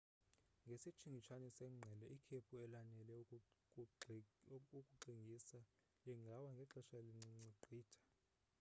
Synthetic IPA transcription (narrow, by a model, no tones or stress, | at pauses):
ŋɡʱesit͡ʃʰiŋɡʱit͡ʃʰanɛsɛŋ͡ǀʱɛlɛikʰepʰuɛlanɛlɛkʼ | ukʼuǃiŋɡʱisa | lɛŋɡʱawaŋɡʱɛǁɛʃaliŋ͡ǀiŋ͡ǀiǃʱiːtʰḁ